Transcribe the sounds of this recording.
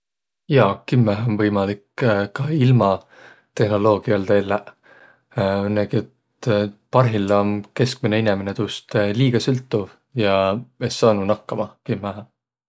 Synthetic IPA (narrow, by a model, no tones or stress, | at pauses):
jɑkimːæɦonvɤjmɑlikkɑilmɑ | t̪e̞hno̞lo̞ːɡ̥iɑlt̪eːlːe | nːæɡ̥iet̪ | pɑrɦilːonke̞sk̚mine̞inemenet̪uːst̪liːɡ̥ɑsylt̪ːˑuv | jɑesːɑːnunɑkːɑmɑkimːæɦɑ